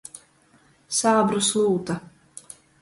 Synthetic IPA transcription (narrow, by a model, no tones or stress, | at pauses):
saːbɾuslˠuːt̪a